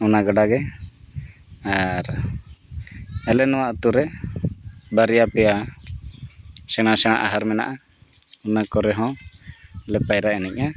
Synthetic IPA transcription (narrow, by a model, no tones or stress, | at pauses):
ɔnaɡaɖaɡɛ | aɾ | ɛlɛnɔwaʔt̪uɾɛ | baɾijapɛja | sɛɽ̃asɛɽ̃a̰ʔaɦaɾmɛna̰ʔa | ɔnakɔɾɛɦɔ̃ | lɛpajɾaɛnɛc̚a